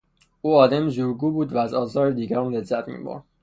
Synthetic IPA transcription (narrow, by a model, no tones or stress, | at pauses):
uːɒːd̪æmzuːɾɡuːbuːd̪væːzɒːzɒːɾed̪iːɟæɾɒːmlezːæt̪ʰmḭːbo̰ɾ̥